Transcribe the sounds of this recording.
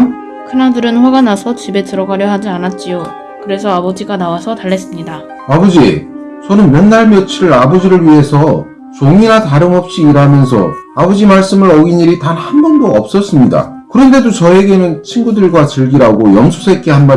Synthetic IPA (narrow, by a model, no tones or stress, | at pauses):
kʰɯnadɯɾɯnɸwaɡanasʰʌt͡ɕibe̞tɯɾʌɡaɾjʌɦad͡ʑianat̚t͡ɕ͈ijo | kɯɾe̞sʰʌabʌd͡ʑiɡanawasʰʌtaɭːe̞s͈ɯmɲida | abʌd͡ʑi | t͡ɕʌnɯnwe̞nːaɭmjʌt͡ɕʰiɾɯɾabʌd͡ʑiɾɯɭɥiɦe̞sʰʌ | t͡ɕoŋinataɾɯŋɦʌp̚ɕ͈iːɾɦamjʌnsʰʌ̰abʌd͡ʑimaɭs͈ɯmɯɾʌɡiniɾitaɾhanbʌndoʌp̚s͈ʌs͈ɯmɲida̰ | kɯɾʌnde̞dot͡ɕʌe̞ɡenɯnt͡ɕʰinɡudɯɭɡwat͡ɕɯɭɡiɾaɡojʌŋsʰu̥sʰe̞k̚k͈e̞hanma